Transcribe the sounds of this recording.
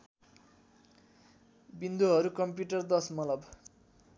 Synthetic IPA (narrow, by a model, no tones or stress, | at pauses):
bind̪uɦʌɾukʌmpjuʈʌrd̪ʌsmʌlʌb